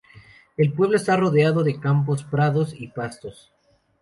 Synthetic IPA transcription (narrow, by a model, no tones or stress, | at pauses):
e̞lpwe̞β̞loest̪aro̞ðeaðo̞ðe̞kamp̬o̞spɾaðo̞sipast̪o̞s